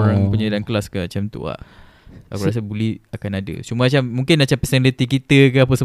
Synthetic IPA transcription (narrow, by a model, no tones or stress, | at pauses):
ɾapuɲadankəlaskamat͡ʃamt̪ṵa̰ʔ | a̰kuɾas̬abulehakanadə̰t͡ʃumamat͡ʃamːũŋkɪnːat͡ʃampəsɛŋlət̪ikit̪əkaapəsə